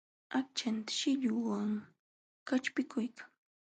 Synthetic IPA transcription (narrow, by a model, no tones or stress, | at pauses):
ak̚t͡ʃant̪ḁʃɪʎʊwaŋ | kat͡ʃpɪkʊjkʰḁŋ